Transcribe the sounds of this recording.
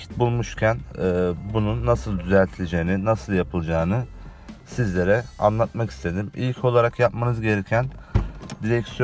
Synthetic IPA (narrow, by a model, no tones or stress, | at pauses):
i̥t̪̚bulˠmuʃcʰænɛːbununːasɯlˠd̪yzælʲt̪ʰilʲed͡ʒe̞ːninasɯlˠjapʰɯlˠd͡ʒaːnɯ | sizlʲe̞ɾɛa̰nlˠat̪̚maki̥st̪ʰe̞d̪imilʲcʰo̞lˠaɾakjapmanɯzɟe̞ɾecʰænd̪iɾɛcsyj